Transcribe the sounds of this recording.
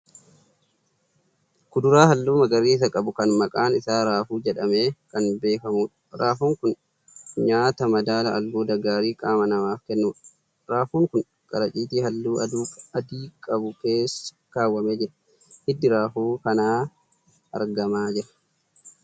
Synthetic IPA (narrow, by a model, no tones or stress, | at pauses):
kʊd̪ʊɾaːhɐlːuːmɐɡɐɾiːs̬ɐkʼɐbʊkɐnmɐkʼaːnɪsaːɾaːfuːd͡ʒɛᶑɐme̞ːkɐnbe̞ːkɐmuːᶑɐ̥ɾaːfuːŋkʊn | ɲaːt̪ɐmɐd̪aːlɐɐlbuːd̪ɐɡaːɾiːkʼaːmɐnɐmaːfkɛnːuːᶑɐ̥ | ɾaːfuːŋkʊn | kʼɐɾɐt͡ʃʼiːt̪iːhɐlːuːɐuːɐd̪iːkʼɐbʊke̞ːs | kaːwːɐmeːd͡ʒɛᶑɛ̥ | hɪd̪ːɪɾaːfuːkɐnaː | ʔɐ̰ɾɡɐmaːd͡ʒɪɾɐ̥